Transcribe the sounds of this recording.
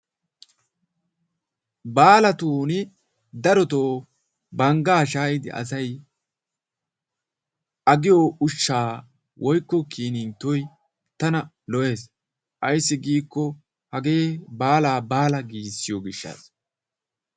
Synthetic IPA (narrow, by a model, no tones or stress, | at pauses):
baːlɐt̪uːnɪ | d̪ɐɾɔt̪oː | bɐŋɡaːʃaːjɪd̪ɪ̰ʔɐ̰s̬ɐj | ʔɐɡɪjoːʊʃːaː | wʔɔjkːɔkiːnɪnt̪ːɔj | t̪ɐnɐ | lɔʔe̞ːs | ʔɐjsːɪɡiːkːɔ | hɐɡe̞ːbaːlaːbaːlɐɡiːsːɪjɔɡɪʃːa̰ːs